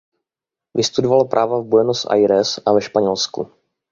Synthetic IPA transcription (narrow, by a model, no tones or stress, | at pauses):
vɪst̪udovalopɾʔaːvavbujɛnost̪ʔa̰jɾɛsʔavɛʃpaɲɛlskṵ